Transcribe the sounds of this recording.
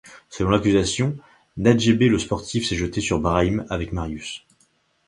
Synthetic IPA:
səlɔ̃lakʲyzasjɔ̃ | nad̪ʒebeləspɔʁt̪ifsɛʒət̪esyʁbʁaimavɛkmaʁjys

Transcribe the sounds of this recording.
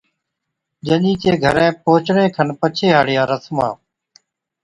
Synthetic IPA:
d͡ʒəʄĩːt͡ʃeːɡʱə̰ɾẽːpoːt͡ʃɳẽːkʰənpət͡ʃʰeːɦaːɽɪjãːɾəsmã̰ː

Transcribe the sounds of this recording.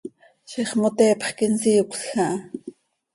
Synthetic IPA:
ʃiχmot̪eːpχkinsiːukʷɬxaʔ

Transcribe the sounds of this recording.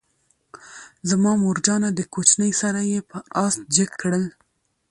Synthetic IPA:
zamɑmoɾd͡ʒɑnad̪əkot͡ʃnəjsaɾajepəɑst̪̚d͡ʒəkːɽəl

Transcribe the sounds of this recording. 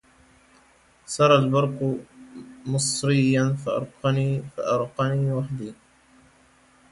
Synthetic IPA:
sɑɾˤɑlbɑɾˤq | mɨsˤɾɪjːanfaʔɑ̰ɾˤqɑniːfa̰ʔɑɾˤqɑniːwaħd̪iː

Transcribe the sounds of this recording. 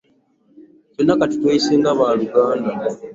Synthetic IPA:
conːakati̥tweiseːŋɡaβaːluɡaːnda

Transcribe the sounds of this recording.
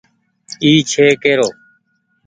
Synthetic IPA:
iːt͡ʃʰeːkeːɾoː

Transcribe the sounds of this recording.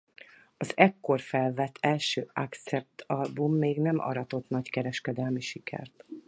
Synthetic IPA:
ɒzɛkːo̞rfɛlvɛt̪ʰːɛlʃøːakt̪sɛp̚t̪ʰɒlbumːeːɡnɛmʔɒ̰ɾɒt̪o̞t̪nɒckɛɾɛʃkɛd̪ɛlmiʃikʰɛ̰rt̪

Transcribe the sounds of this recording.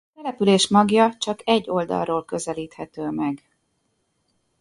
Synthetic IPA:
t̪ɛlɛpyleːʃmɒɡjɒt͡ʃɒkɛɟːo̞ld̪ɒ̰lroːlkø̞zɛliːt̪hɛt̪øːmɛɡ

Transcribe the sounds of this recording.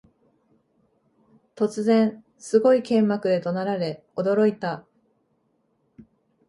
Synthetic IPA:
t̪o̞t͡sɨzẽ̞ɰ̃ | sɨɡo̞ikẽ̞mːakɯ̟d̪e̞t̪o̞naɾaɾe̞ | o̞d̪o̞ɾo̞it̪a

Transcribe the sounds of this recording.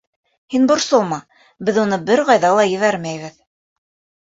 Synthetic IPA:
hinbŏɾsɤlˠmɑ | bɘðunɤbɘɾʁɑjðɑlˠɑjɘ̆βæɾmæjβɘð

